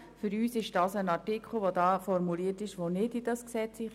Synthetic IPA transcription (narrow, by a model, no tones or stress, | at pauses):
fʏɾyːsɪʃd̥ɑːsənɑɹtikχl̩ˠʋodɑːfɔɾmuliətɪʃʋonɪdid̥ɑsksɛt͡si